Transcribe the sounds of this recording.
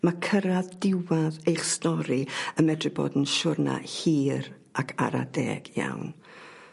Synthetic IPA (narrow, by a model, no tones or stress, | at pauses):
makʰəɾaðdɪwaðejχstɔɾiəmɛdrɪbo̰ːdn̩ʃʊrna̰hiːɾ | akʰa̰ɾa̰dɛ̰ːɡ̥ja̰wn